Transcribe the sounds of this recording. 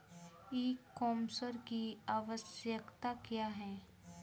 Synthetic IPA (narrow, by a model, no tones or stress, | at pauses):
eːkːɔːmsəɾkiaːʋəsjəkt̪akjaːɦɛː